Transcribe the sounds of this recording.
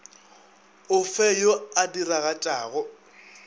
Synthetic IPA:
ʊfɛjoadiraɣatʼaːɣɔ

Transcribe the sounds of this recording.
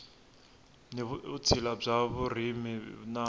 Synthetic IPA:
niβut͡sʰilab͡ʐaβurimina

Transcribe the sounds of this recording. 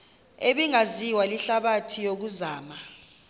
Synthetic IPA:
eɓiŋaziwaliɬaɓatʰijok̬uzaːma

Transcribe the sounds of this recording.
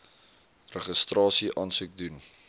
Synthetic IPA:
rəχəstrɑːsiʔɑːnsuk̚dun

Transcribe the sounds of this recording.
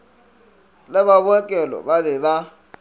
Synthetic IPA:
lɛβaβɛkʼɛlɔ̰baβɛβa

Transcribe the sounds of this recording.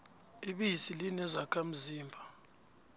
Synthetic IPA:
iɓisilinɛzakʼam̩ziːmbʱa

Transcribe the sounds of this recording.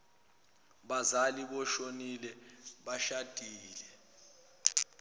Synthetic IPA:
ɓazaliɓɔʃonilɛɓaʃad̥ʼʱiːlɛ

